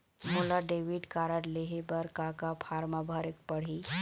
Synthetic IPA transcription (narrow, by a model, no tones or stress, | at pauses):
molaɖeːʋiɖkaːɾəʈleɦebəɾkakapʰaːɾmabʱəɾek̚pəɽ̤i